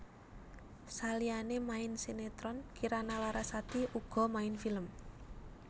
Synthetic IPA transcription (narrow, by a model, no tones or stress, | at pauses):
salianemaɪnsinet̪ɾɔnkiɾanalaɾasat̪iuɡ̥ɔ̤maɪnfiləm